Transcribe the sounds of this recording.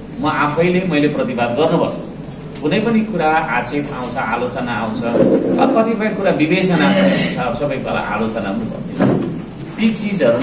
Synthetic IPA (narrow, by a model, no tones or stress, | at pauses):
mʌʔapʰʌjlemʌjleprʌt̪ibad̪ɡʌrnupʌrt͡sʰu̥ | kunʌjpʌnikuɾaat͡sepa̰w̃t͡sʰʌalot͡sʌnaːw̃t͡sʰʌʌkʌt̪ipʌj̃kuɾabibet͡sʌnaʌut͡sʰʌʌbʌsʌbʌjkala̰ʔa̰lot͡sʌnaunupʌ̰rnet͡sʰu | pik̚t͡sid͡zʌɾu